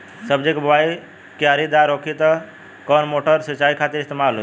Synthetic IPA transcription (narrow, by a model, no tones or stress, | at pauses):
səbd͡ʒekbəwai | kjaɾid̪aɾokʰit̪ɔ | kɔnmoʈəɾsət͡ʃaikʰat̪iɾɪst̪emalɦo